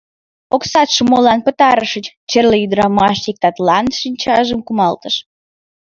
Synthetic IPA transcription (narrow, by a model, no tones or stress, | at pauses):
oksɑt̪ʃəmolɑnpət̪ɑɾəʃət͡ɕt͡ɕerləjyd̪əɾɑmɑʃik̚t̪ɑt̪lɑnʃinʲt͡ɕɑʒəmkumɑlt̪əʃ